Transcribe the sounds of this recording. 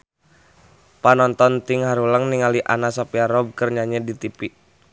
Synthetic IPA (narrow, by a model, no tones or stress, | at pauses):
panɔnt̪ɔnt̪iŋhaɾuləŋniŋaliʔa̰nasapiaɾɔb̚kərɲaɲədit̪ipiʔ